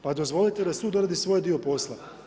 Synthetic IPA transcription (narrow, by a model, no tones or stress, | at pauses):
pad̪o̞zʋo̞lit̪ed̪asud̪oɾad̪isʋo̞jd̪io̞po̞slˠa